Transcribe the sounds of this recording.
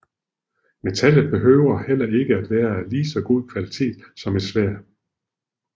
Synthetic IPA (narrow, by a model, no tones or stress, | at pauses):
me̝t͡sʰæləð̩ˠb̥e̝ɦøːʊ̰ɐhel̰ɐe̝ɡ̥əæd̥ʋæːɐæliːsɒ̽ɡ̥o̝ð̰ˠkʰʋælit͡sʰe̝̰ːd̥sɒ̽me̝d̥sʋæɐ̰